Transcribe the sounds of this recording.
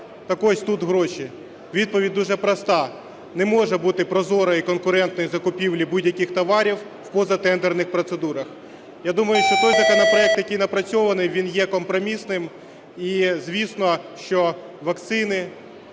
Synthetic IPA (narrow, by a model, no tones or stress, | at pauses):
t̪ɐkɔʃʲt̪ut̪ɦɾɔʃi | ʋʲid̪̚pɔʋʲidʲd̪uʒɛpɾɐst̪ɑ | nɛmɔʒɛbut̪ɪpɾɔzɔɾɐikɔnkʊɾɛnt̪nɔjizɐkʊpʲiwlʲibudʲjɐkʲɪxt̪ɔʋɑɾʲiw | wpɔzɐt̪ɛnd̪ɛrnɪxpɾɔt̪sed̪uɾɐx | jad̪umɐjʊʃt͡ʃɔt̪ɔjzɐkɔnɐpɾɔɛk̚t̪jɐkijnɐpɾɐt͡sʲɔʋɐnɪjʋʲinjɛkɔmpɾɔmʲisnɪm | izʲʋʲisnɔʃt͡ʃɔ | ʋɐkt̪sɪnɪ